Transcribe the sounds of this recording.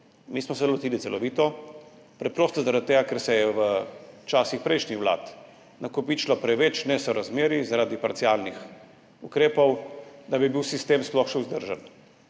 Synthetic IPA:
mismɔs̬ɛlɔt̪iːlit̪sɛlɔʋiːt̪ɔ | pɾɛpɾoːst̪ɔzaɾad̪̚t̪ːeːɡakɛɾsɛjɛʋət͡ʃaːsixpɾɛjʃnixʋla̰ːt̪ | nakɔpiːt͡ʃlɔpɾɛʋɛt͡ʃnɛsɔɾazmeːɾizaɾaːd̪ipaɾt̪siaːlnix | ukɾeːpɔwd̪abibiwsist̪eːmsplɔxʃɛʊzd̪əɾʒan

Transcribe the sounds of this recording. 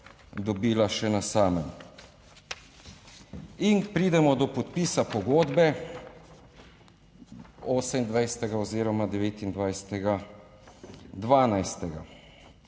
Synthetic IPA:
d̪ɔbiːlaʃɛnasaːmɛm | inpɾiːd̪ɛmɔd̪ɔpɔt̪piːsapɔɡoːd̪bɛ | ɔːsɛmind̪ʋajsɛ̥t̪ɛɡaoziːɾɔmad̪ɛʋeːt̪ind̪ʋajsɛ̥t̪ɛɡa | d̪ʋaːnajst̪ɛɡa̰

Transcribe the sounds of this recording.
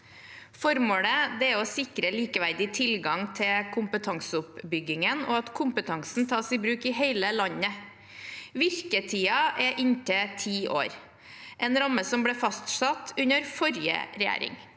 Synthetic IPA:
fɔɾmoːɽəd̪ɛæɔsɪkɾəliːkəʋæɾd̪ɪt̪ʰɪlɡɑŋt̪ʰɪkʰʊmpət̪ʰɑŋsəʊpbʏɡɪŋəno̰ɑt̪kʰʊmpət̪ʰɑŋsn̩t̪ʰɑːsɪbɾʉːkɪɦeɪləlɑɲːə | ʋɪɾkət̪ʰiːɑʔɛʔɪɲt̪ʰət̪ʰiːʔo̰ːɾ | ʔɛːnɾɑməsɔmbɽeːfɑst̪sɑt̪ʰʉɲəɾfɔɾjə̰ɾɛjæ̰ːɾɪ̰ŋ

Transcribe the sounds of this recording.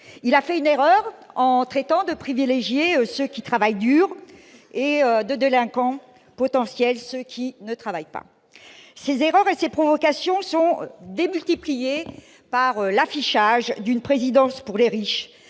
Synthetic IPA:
ilafɛyneʁœʁɑ̃t̪χɛt̪ɑ̃d̪əpχivileʒjeøsøkʲit̪χavajd̪yʁeød̪əd̪elɛ̃kɑ̃ | pɔt̪ɑ̃sjɛlsøkʲʰinət̪χavajpa̰ | sezeʁœʁesepχɔvɔkasjɔ̃sɔ̃d̪emylt̪iplije | paʁølafiʃaʒd̪ynpχezid̪ɑ̃spuʁleʁiʃ

